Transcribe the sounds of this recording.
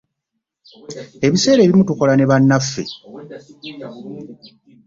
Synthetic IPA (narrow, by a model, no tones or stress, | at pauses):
e̞βise̞ːɾe̞ːβimutuko̞lane̞βanːafːe̞̰